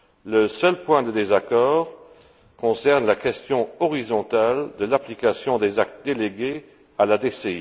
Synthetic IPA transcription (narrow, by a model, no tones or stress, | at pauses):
ləsœlpwɛ̃d̪əd̪ezakɔːʁ | kɔ̃sɛʁnlakɛst̪jɔ̃ɔʁizɔ̃t̪ald̪əlaplikasjɔ̃d̪ezak̚t̪̚d̪eleɡe | alad̪esey